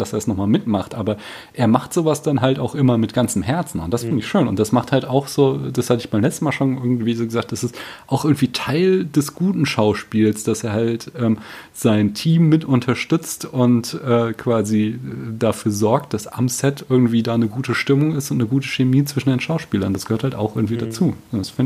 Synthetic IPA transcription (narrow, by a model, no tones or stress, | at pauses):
d̥aseːɐsnɔχmaːlmɪtmaχtʔaːbɐ | ʔeːɐmaχtz̥oːvasd̥anɦaltaʊxʔɪmɐmɪtɡ̥ant͡sm̩hɛɐt͡sn̩ʊnt̚d̥asfɪndɪçʃøːnʊnt̚d̥asmaχthaltaʊxz̥oːd̥ashatəɪçb̥aɪmlɛt͡stn̩maːlʃoːnʔɪɐɡŋ̩tv̥iːzoːɡəzaːkt̚d̥asɪstʔaʊxʔɪɐɡŋ̩tv̥iːtʰaɪldɛsɡ̥uːtn̩ʃaʊʃpiːlsd̥aseːɐhaltʔɛːmz̥aɪntʰiːmːɪtʊntʰɐʃtʏt͡stʊntʔɛːkʰv̥aːzidafyːɐzɔɐk̚t̚d̥asʔamsɛtʔɪɐɡŋ̩tv̥iːdaːnəɡuːtəʃtɪmʊŋɪstʊntnəɡuːtə̥ʃemiːt͡sv̥ɪʃn̩deːnʃaʊʃpiːlɐnd̥asɡ̥ə̥øːɐthaltaʊxʔɪɐɡŋ̩tv̥iːdat͡suːdasfɪn